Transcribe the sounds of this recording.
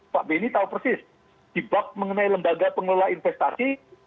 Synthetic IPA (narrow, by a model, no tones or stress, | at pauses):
paʔbenit̪aupərsɪs | d̪̥ibak̚məŋənailəmbaɡapəŋlolainfɛst̪asi